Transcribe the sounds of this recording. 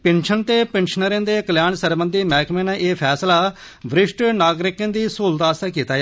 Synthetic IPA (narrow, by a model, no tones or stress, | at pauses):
pɪnʃənt̪eːpɪnʃənəɾẽːnd̪eːkəljaːnsəɾbənd̪iːmɛːkmẽːnãʔeːpʰɛːslaː | ʋɾɪʃʈnaːɡɾɪkẽːnd̪iːsuːld̪aːst̪eːkiːt̪aːjaː